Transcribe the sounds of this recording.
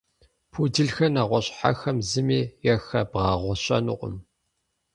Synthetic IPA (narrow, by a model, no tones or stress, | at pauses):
pʰudɨɮxɐnaːʁʷɔɕʼħa̰xɐmzɨmiːjɛxɐbʁɑːʁʷɔɕʼɐ̰nʊ̰qʷʼʊ̰m